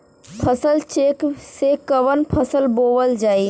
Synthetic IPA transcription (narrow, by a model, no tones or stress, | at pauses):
pʰəsəlt͡ʃeːksekəʋənpʰəsəlboːʋəld͡ʒaːi